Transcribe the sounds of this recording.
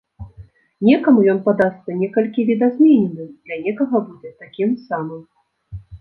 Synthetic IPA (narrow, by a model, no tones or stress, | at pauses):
nʲɛkɐmujɔnpad̪ast̪sɐnʲɛkɐlʲkʲivʲid̪azʲmʲɛnʲɛnɨmd̪lʲɐnʲɛkɐɣɐbud͡zʲɛt̪akʲimsamɨm